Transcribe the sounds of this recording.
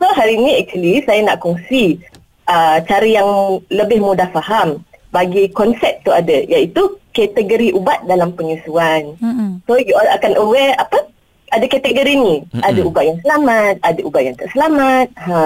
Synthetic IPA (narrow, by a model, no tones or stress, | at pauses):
soɦaɾiːnĩɛk̚t͡ʃuəlisajana̰ʔkɔŋsi | ət͡ʃaɾəjaŋləbɪhmudahfahambaɡikɔnsɛp̚t̪uadajait̪ukɛt̪əɡəɾiʔubat̪̚dalampəɲusuansojuakanʔəwɛapə | ʔadakat̪əɡoɾinĩʔadaubaʔ̪̚jaŋsəlamat̪̚adaʔubaʔ̪̚jaŋt̪əʔsəlamat̪̚ɦã